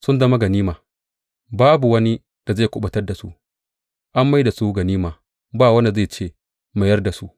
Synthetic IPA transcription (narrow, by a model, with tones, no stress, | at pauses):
sʊ˦nzɐ˦ma˦ɡɐ˨niː˦maː˨ | baː˦bu˨wɐ˦ni˦ | d̥a˨za˦˨kʷʊ˦ɓɐ˨tɐ˦rda˨sṵ˦ʔ | ʔa˦mːa˦jda˨su˦ɡɐ˨niː˦maː˨ | baː˦˨wɐ˦nda˨za˦˨t͡ʃeː˦˨ | ma˨jɐ˦rda˨su˦ʔ